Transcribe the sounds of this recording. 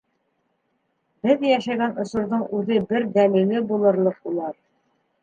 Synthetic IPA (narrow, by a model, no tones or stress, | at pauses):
b̥ɘðjæʃæɡænŏsŏɾðɤɴʉðɘbɘɾd̪ælilɘbulˠɤ̆ɾlˠɤqulˠɑɾ